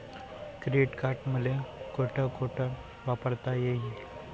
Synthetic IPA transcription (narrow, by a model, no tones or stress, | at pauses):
kɾiɖkaɾʈməlekoʈʰəkoʈʰəɾ | ʋapəɾt̪ajeɦi